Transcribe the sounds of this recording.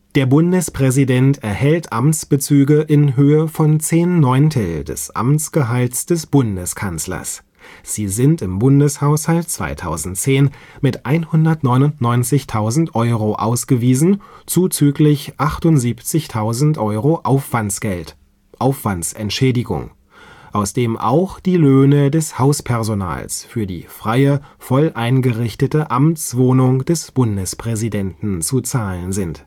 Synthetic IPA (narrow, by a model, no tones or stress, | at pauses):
d̥eːɐbʊndəspʁ̥ɛzidɛntɛɐhɛltʰʔamt͡sb̥ət͡syːɡəʔɪnɦøːəfɔnt͡seːnːɔʏntʰl̩dɛ̰sʔa̰mt͡sɡ̥əɦaltsd̥ɛsb̥ʊndəskʰanslɐ̰s | z̥iːzɪntɪmbʊndəshaʊshalt̚t͡sv̥a̰ɪtʰa̰ʊzn̩tt͡seːnmɪtʔaɪnhʊndɐtnɔʏnʊntnɔʏnt͡sɪçtʰaʊzn̩tʔɔʏʁoʔa̰ʊsɡ̥əviːzn̩t͡suːt͡syːklɪçʔaχtʊntz̥iːpt͡sɪçtʰaʊzn̩tʔɔʏʁoʔaʊfv̥ant͡sɡ̥ɛlt | ʔaʊfv̥antt͡sʔɛ̰ntʃɛːdɪɡʊ̰ŋ | ʔaʊsd̥eːmʔa̰ʊxd̥iːløːnədɛshaʊspʰɛʁzona̰ːlsfyːɐdḭːfʁ̥aɪəfɔlʔaɪnɡəʁɪçtətəʔamt͡sv̥oːnʊŋd̥ɛsb̥ʊndəspʁ̥ɛzidɛntn̩t͡sut͡saːlənzɪnt